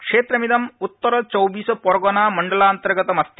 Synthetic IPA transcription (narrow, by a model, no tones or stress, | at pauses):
kʂeːt̪ɾɐmid̪ɐmut̪ːɐɾɔt͡ʃɔwʋiːspɔɾɡɔnaːmɐɳɖɐlaːnt̪ɐɾɡɐt̪ɐmɐst̪i̥